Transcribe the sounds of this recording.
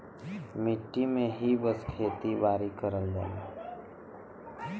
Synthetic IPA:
mɪʈːimẽɦibəskʰeːt̪ibaːɾikəɾəld͡ʒa̰ːli

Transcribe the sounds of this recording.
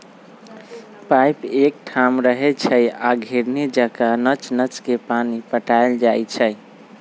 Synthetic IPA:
pajpek̚ʈʰamɾəɦɛt͡ʃʰəjaɡʱeɾned͡ʒakanət͡ʃnət͡ʃkepanipəʈaeld͡ʒajt͡ʃʰəj

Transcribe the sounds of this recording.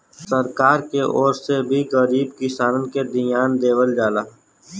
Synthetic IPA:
səɾkaːɾkeʔɔːɾsebʱiɣəɾiːbkɪsaːnənked̪ɪjaːnd̪eːwəld͡ʒaːlaː

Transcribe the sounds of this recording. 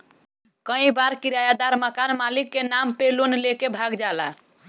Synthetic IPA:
kə̃ĩbaɾkiɾajad̪aɾməkanmalikːenampelonlekebʱaɡd͡ʒala̰

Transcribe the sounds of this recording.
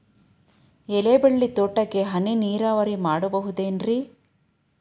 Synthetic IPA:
ɛlebɐɭːit̪oʈːɐkːeɦɐniniːɾaːʋɐɾimaːɽubɐɦud̪eːnɾi

